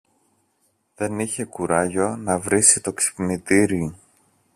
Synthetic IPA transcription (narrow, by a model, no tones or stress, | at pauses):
ðe̞niçe̞kuɾɐʝo̞nɐvɾisit̪o̞ksi̥pnit̪iɾio